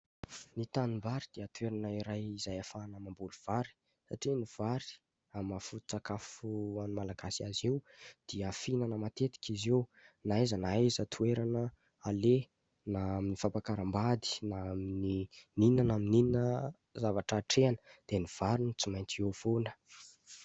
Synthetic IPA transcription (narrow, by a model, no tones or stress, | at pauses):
nit̪animbaɾid̪̥iət̪ueɾanəiɾajizajafanamambuluv̥aɾi̥ | saʈ͡ʂiniv̥aɾi̥ | amafut̪i̥t͡sakafuanumalaɡasiazewd̪̥iafinənamat̪et̪i̥kʲizewnaezənaezət̪ʰueɾanə | ale | naaminifapakaɾəmbad̪i̥naaminininanamininnə | zavaʈ͡ʂaʈ͡ʂeanə̥d̪̥eniv̥aɾinit͡simajnt͡siov̥onə̥